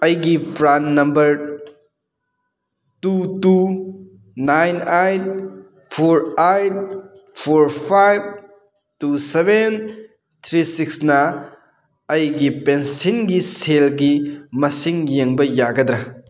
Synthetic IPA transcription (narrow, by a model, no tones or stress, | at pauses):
ɐjɡipɾanːɐmbɐɾ | tutu | najnajt | pʰoɾajt̚ | pʰoɾpʰajb̚ | tuseben | t̪ʰɾisiksnɐ | ɐjɡipensinɡiselɡimɐsiŋjeŋbɐjaɡɐdɾɐ